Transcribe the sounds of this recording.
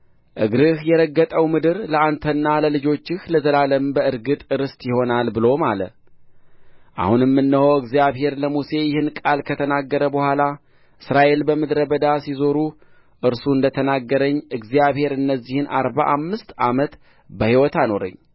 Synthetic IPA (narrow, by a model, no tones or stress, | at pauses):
ʔɨɡɾɨhjɛɾəɡːət̪ʼəwmɨd̪ɨɾləant̪ʰənːaləlɨd͡ʒo̞t͡ʃːɪhləzəlaləmbəɨɾɡɨt̪ʼɨɾɨst̪ʼjɪho̞nalbɨlo̞malə̰ | ʔa̰hunjɛmːɨnːəhəwɨɡzijaβhe̞ɾləmuse̞jɪhɨnkʼalkʰət̪ʰənaɡːəɾəbəhʷala | ʔɨsɾaʔe̞lbəmɨd̪ɾəbəd̪asizo̞ɾu | ʔɨɾsuɨnd̪ət̪ʰənaɡːəɾəɲːʔɨɡzjaβhe̞ɾɨnːəzːihɨnʔa̰ɾba̰ʔamːɨst̪amət̪ | bəhiwɔt̪ano̞ɾə̰ɲː